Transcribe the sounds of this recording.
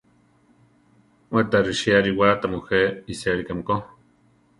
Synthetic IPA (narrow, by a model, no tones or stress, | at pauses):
wet̪aɾiʃiaɾiwat̪amuxeisiaɾikamko